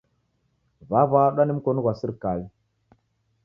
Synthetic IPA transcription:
vavaɗanimkonɡasiɾkal

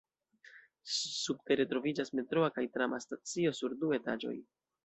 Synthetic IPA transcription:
sub̚te̞ɾe̞tɾo̞vid͡ʒasme̞tɾo̞akajtɾamastat͡sio̞suɾdue̞ta̰d͡ʒo̞̰j

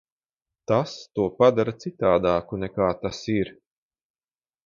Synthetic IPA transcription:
t̪ast̪uɔpad̪aɾat̪sit̪aːd̪aːkunɛkaːt̪asiɾ

